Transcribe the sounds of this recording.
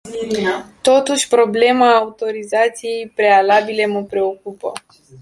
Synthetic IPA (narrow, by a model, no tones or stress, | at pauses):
t̪o̞t̪uʃʲpɾo̞ble̞maːut̪o̞ɾizat̪sije̞jpɾe̞alabile̞məpɾe̞o̞kupə̰